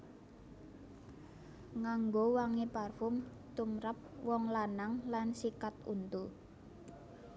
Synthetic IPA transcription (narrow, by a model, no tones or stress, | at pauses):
ŋaŋɡowaŋeparfʊm | t̪umɾap̚wɔŋlanaŋlansikat̪ṵnt̪u